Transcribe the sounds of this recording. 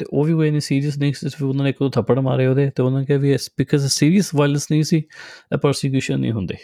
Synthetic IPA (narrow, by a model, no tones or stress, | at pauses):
t̪ḛːʔoːʋiːkoːeniːsiːɾiəs̬nĩːsd͡ʒɪsʋiːʊnãːneːɪkd̪õːt̪ʰəpːəɽma̰ːɾeːɦoːd̪eːt̪eːʊnãːnekɛːʋiːɛspɪkʰəzesiːɾiəsʋaːɪlənsnə̃ĩːsiːɛ̰ːpəɾsek̬juːʃənːḭ̃ːɦʊnd̪ḛː